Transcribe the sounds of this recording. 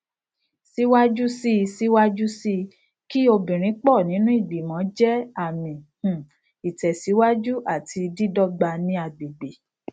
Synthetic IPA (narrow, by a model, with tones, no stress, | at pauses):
si˦wa˦d͡ʒu˦si˦˧si˦wa˦d͡ʒu˦si˦˧ | ki˦o˧bĩ˨ɾ̃ĩ˨˦k͡pɔ˦˨nĩ˨˦nũ˦i˦˨bi˨mɔ̃˨˦d͡ʒɛ˦a˦˨mĩ˨h̩˨ | i˨tɛ˨si˨˦wa˦d͡ʒu˦ʔa˦˨tʰi˧di˦dɔ˦ɡ͡ba˧nĩ˦a˧ɡ͡be˨ɡ͡be˨